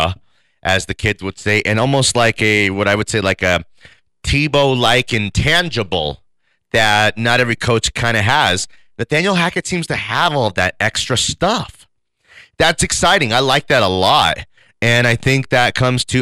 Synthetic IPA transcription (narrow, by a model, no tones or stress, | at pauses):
ʔɨzðɨkʰɪdzwəd̥seɪʔɨ̃ñɔlˠmoʊstˡlaɪkɨwʌɾaɪwɨd̥seɪlaɪkɨ | tʰiboʊlaɪkɨ̃ntʰæ̃nd͡ʒɨbl̩ˠ | ðɨt̚ⁿnəɾɛvɹikʰoʊt͡ʃkʰãɪ̃ndɨəz̥ | ðɨt̚ð̥æ̃njl̩ˠɦækɨtsĩmz̥tʰɨəvɔlˠʌvðɨɾɛkstɹ̥ɨstʌf | ðætsɨksaɪɾɪ̃ŋaɪlaɪk̚ðɨɾəlɔt̚ | ɨ̃ñaɪθɪ̃ŋk̚ðɨt̚kʰʌ̃mz̥tʰɨ